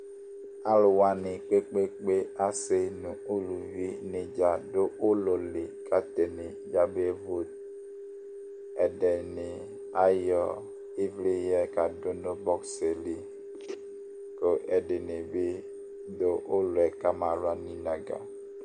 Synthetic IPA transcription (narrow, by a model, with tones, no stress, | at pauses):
a˦lo˨wa˨nɪ˨k͡pe˦k͡pe˦k͡pe˦a˦se˦nũ˨o˦lu˨vi˦ne˨d͡ʒa˨do˦ʔo˦lo˨le˨kʰa˦t̪e˨ne˨ | d͡ʒa˦be˦vo˦t | ɛ˨ɖɛ˨ne˨ | a˦jɔ˨ | i˦vli˦jɛ˦ka˨do˦no˦bɔ˦kse˨li˦ | ko˨ʔɛ˨ɖe˨ne˨be˦ | do˦ʔo˦lo˨ɛ˨ka˦mã˨ɾa˦nĩ˦nã˨ɡa̰˨